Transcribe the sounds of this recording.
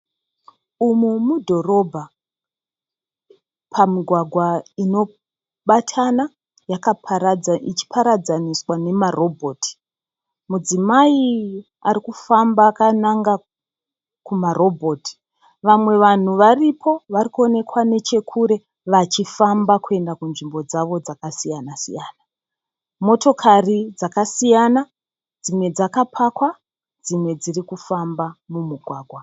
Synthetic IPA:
umumudʱo̞ro̞bʱa | pʰamiɡʱwaɡʱwaino̞ | ɓatʰana | jaka | it͡ʃi̥pʰaɾad͡zaniswane̞maro̞bʱo̞ːtʰi̥ | mud͡zimai | aɾikufambaːkanaŋɡa | kumaro̞bʱo̞ːti̥ | ʋamwe̞ʋan̤uʋaripʰo̞ʋarikuo̞ne̞kwane̞t͡ʃe̞kʰuɾe̞ | ʋat͡ʃifambakue̞ndakunʐimbo̞d͡zaʋo̞d͡zakasijanasḭjaːna | mo̞to̞kʰarid͡zakasijana | d͡zimwe̞d͡zakapʰakwa | d͡zimwe̞d͡zirikufambamumuɡʱwaːɡʱwa

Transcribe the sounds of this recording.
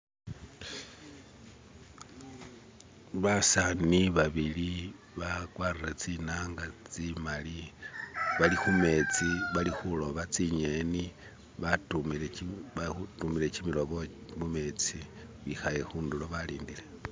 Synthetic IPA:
βasaniβaβili | βakwaːriret͡sinaːŋɡat͡simali | βalixume̞t͡siβalixulo̞βat͡siɲeni | βatumieautumile̞t͡ʃimilo̞βomume̞ːt͡siβixaje̞xuːnduloβaliːndile̞

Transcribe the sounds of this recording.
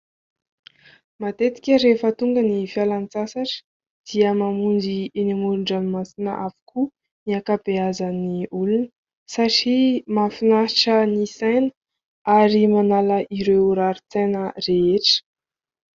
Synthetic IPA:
mat̪et̪i̥kʲəɾefət̪uŋɡənifialant͡sasaʈ͡ʂə̥ | d̪̥iəmamund͡ʒienimuɾuɳɖ͡ʐanimasinə̰ʔavu̥kʰu | niakapeazaniulunə | saʈ͡ʂimafinaʈ͡ʂənisajnə̥ | aɾimanaləʔiɾewɾaɾit͡sajnəreeʈ͡ʂə̥

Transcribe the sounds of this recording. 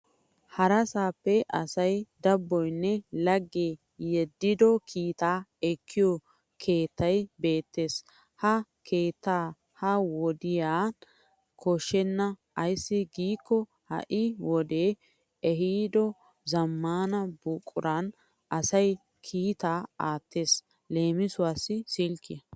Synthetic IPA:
hɐɾɐsaːpːɛʔɐsɐjd̪ɐbːɔjnːɛlɐɡːe | jɛd̪ːɪd̪ɔkʰiːt̪aːɛkʰːɪjɔ | kʰe̞ːt̪ːɐjbe̞ːt̪ːeːs | hɐkʰe̞ːt̪ːaː | hɐwɔd̪ɪjaː | kʰɔʃːɛnːɐ | ɐjsːɪɡiːkːɔ | hɐ̰ʔɪwɔd̪e̞ː | ɛɦiːd̪ɔ | zɐmːaːnɐbuːkʼːʊ̰ɾɐn | ʔɐsɐj | kʰiːt̪aːaːt̪ːe̞ːs | le̞ːmɪsʊwaːsːɪsilkːɪjɐ

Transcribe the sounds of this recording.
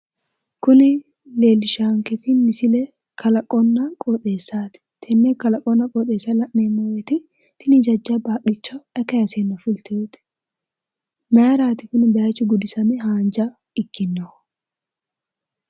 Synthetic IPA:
kʊnɪ | le̞ːlːɪʃaːŋkɛt̪ɪmɪsɪlɛ | kʰɐlɐkʼɔnːɐkʼoːt̪ʼːe̞ːsːaːt̪ɪ̥t̪ʰɛnːekɐlɐkʼɔnːɐkʼɔːt̪ʼe̞ːsːɐlɐʔneːmːojɛt̪ɪ | t̪ɪnɪd͡ʒɐd͡ʒːɐbaːkʼːɪt͡ʃːɐɛkːɐjɐseːnːɐfʊlt̪ɪet̪ɪ̥ | mɐɐɾaːt̪ɪkʊnɪbɛjɐt͡ʃːʊɡʊd̪ɪsɐnɪɦaːnd͡ʒɐ | ɪkːɪnːo

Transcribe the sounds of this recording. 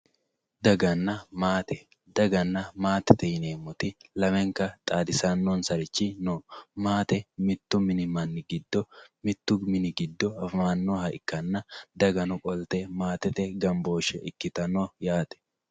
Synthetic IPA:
d̪ɐɡɐnːɐmaːt̪ɛ | d̪ɐɡɐnːɐmaːt̪ɛt̪ɛjɪneːmːʊt̪ɪlɐmɛŋkɐt̪ʼaːd̪ɪsanːoːnsɐɾɪt͡ʃːɪnomaːt̪ɛmɪt̪ːʊmɪnɪmɐnːɪɡɪd̪ːɔmɪt̪ːʊɡmɪnɪɡɪd̪ːɔɐfmaːnːoːhɐɪkːɐnːɐd̪ɐɡɐnʊkʼɔlt̪ɛmaːt̪ɛt̪ɛɡɐmbo̞ːʃɛ̰ʔɪkːɪt̪ɐnoːjaːt̪ɛ̥

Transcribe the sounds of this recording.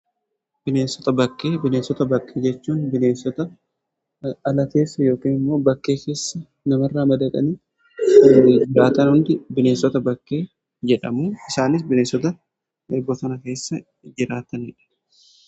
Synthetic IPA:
b̥ɪneːnsɔ̥t̪ɐbɐkːe̞ːbɪneːnsɔt̪ɐbɐkːeːd͡ʒɛt͡ʃːuːnbɪneːnsːɔt̪ɐ | ɐlɐt̪e̞ːsːɐjo̞ːkiːnɪmːo̞ːbɐkːe̞ːke̞ːsːɐ | nɐmɐrːaːmɐd̪ɐᶑ̪ʼɐ̰niː | d͡ʒɪɾaːt̪ɐnhʊnd̪ɪbɪne̞ːnsɔt̪ɐbɐkːe̞ː | d͡ʒɛᶑɐmuːɪsaːnɪs̬bɪneːsɔt̪ɐ | eːbːɔt̪ɐnɐke̞ːsːɐ | d͡ʒɪɾaːt̪ɐnɪᶑɐ̥

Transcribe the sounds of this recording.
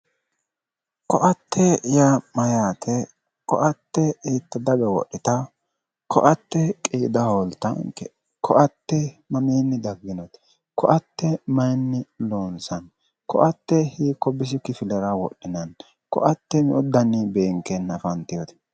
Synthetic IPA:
kɔʔɐt̪ːɛjamɐjaːt̪ʰɛ | kɔ̰ʔɐt̪ːɛiːt̪ːɐd̪ɐɡɐwɔ̰ʔːɪt̪ɐ | kʰɔʔɐt̪ːɛkʼiːd̪ɐholt̪ɐ̰ŋkɛ | kʰɔʔɐt̪ːɛmɐmiːnːɪd̪ɐɡːɪnɔt̪ | kɔʔɐt̪ːɛmɐjnːɪloːnsɐn | kɔʔɐt̪ːɛhiːkːɔbɪs̬ɪkɪfɪlɛɾɐwɔ̰ɗːɪnɐn | kɔ̰ʔɐt̪ːɛmɪʊd̪ːɐnɪbe̞ːŋkɛnːɐfɐnt̪ɪjɔt̪ɛ̥

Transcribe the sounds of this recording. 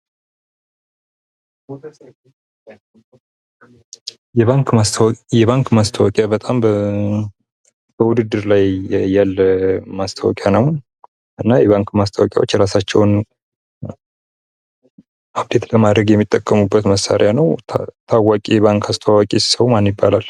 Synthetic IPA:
jɛβaŋkasʰwjɛβaŋkmast̪ʰəwɔkʼjabət̪ʼamb | b̥əwud̪ɨd̪ːɨɾlajjalːəmast̪ʰəwɔ̰kʼjanəw | ʔɨnːajɛβaŋkmast̪ʰəwɔkʼja̰wo̞t͡ʃːɾasat͡ʃːɛwn | ab̚d̪e̞t̪ləmad̪ɾəɡjɛmːit̪ʼːəkʼːəmubːət̪məsːa̰ɾʔjanəwt̪ʰawːakʼjɛβaŋkʰast̪ʰəwakʼissəwmanjɪbːa̰lal

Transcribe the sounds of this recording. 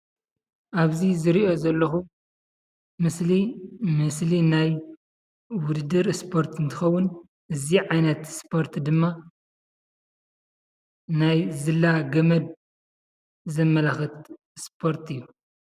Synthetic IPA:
ʔaβzizɨɾiʔo̞zɐlːɐxu | mɨslimɨslinaj | wʊd̪ɨd̪ɨɾspʰo̞ɾt̪ɨnt̪ʰɨ̥xɐwːʊn | ʔɨziʕajnɐt̪spʰo̞ɾt̪d̪ɨmːa | najzɨlːaɡɐmɐd̪̚ | zɐmːɐlaxɨt̪ | spʰo̞ɾt̪ɨjːu

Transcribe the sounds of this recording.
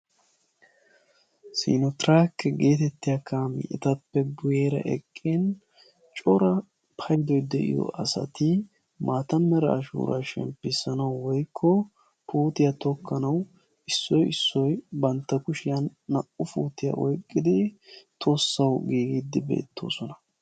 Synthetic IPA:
sḭːnɔt̪ɾaːkːɛɡe̞ːt̪ɛt̪ːɪjakʰaːmɪ̰ʔɛ̰t̪ɐpːɛɡʊjeːɾɐ̰ʔɛkʼːeːn | t͡ʃʼɔɾɐ | pʰɐjd̪ɔjd̪ɛʔɪ̰jɔ̰ʔɐsɐ̰t̪ɪ | maːt̪ɐmːɛɾɐːʃṵːɾa̰ːʃɛ̰mpːɪsɐnɐwːɔjkʰːɔ | puːt̪ɪjat̪ɔkʰːɐnɐw | ɪsːɔjɪsːɔjbɐnt̪ːɐkʊʃɪjɐnːɐʔʊfuːt̪ɪja̰ʔɔjkʼːɪd̪ɪt̪ʰo̞ːsːɐwɡiːɡid̪ːɪbe̞̰ːt̪ːo̞̰ːsɔnɐ

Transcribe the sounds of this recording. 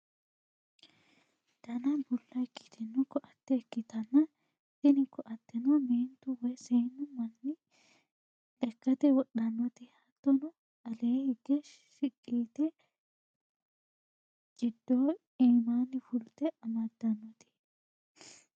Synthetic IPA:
t̪ɐnɐbʊlːɐɛkːɪ̥t̪ɛnːɔkːɔʔɐt̪ːɛːkːɪt̪ɐnːɐ | t̪ɪnɪkːɔʔɐt̪ːɛnɔniːnt̪ʊwɔjseːnːʊmɐnːɪ | ᶑɛkːɐt̪ɛwɔɗɐnːɔt̪ɪhɐt̪ːɔnɔ | ɐleːhɪɡɛʃ | ʃɪkʼːiːt̪ɛ | t͡ʃʼɪd̪ːoː | eːmaːnːɪfʊlt̪ɛɐmɐd̪ɐnːɔt̪ɪ̥

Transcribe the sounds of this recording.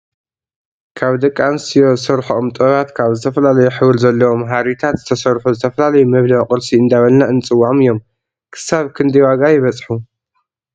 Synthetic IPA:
kʰaβd̪ɐkʼːansijo̞sɐɾħoʔomt̪ʼoβat̪kʰaβzɨt̪ʰɐfɐlalɐjuħɨwɨlzɐlːɐwo̞mɦaɾit̪ʰat̪zɨt̪ʰɐsɐɾħuzɨt̪ʰɐfɐlalɐjumɐβlɐqʼɨɾsiɨnd̪aβɐlnaɨnt͡sʼɨwːaʕmɨjːo̞m | kʰɨ̥saβkʰɨnd̪ɐjwaɡajɪβɐt͡sʼħu

